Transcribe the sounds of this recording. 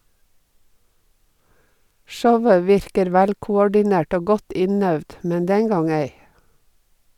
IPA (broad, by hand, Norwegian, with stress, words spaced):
ˈʃɔʋə ˈʋɪɾkəɾ ˈʋælkʊˌɔɖɪˌnæʈ ˈoː ˈɡɔt ˈɪnœʋd ˈmɛn ˈdɛŋ ˈɡɑŋ ˈeɪ